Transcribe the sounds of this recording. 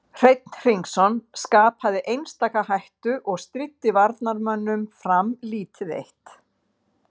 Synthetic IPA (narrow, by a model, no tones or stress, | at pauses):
r̥ejt̪n̥r̥iŋksɔnskaːpaðɪʔejnst̪aːkahajht̪ʏʔɔɣst̪ɾɪt̪ːɪvaɾt̪naɾmœnːʏmfɾamliːt̪ɪðḛjht̪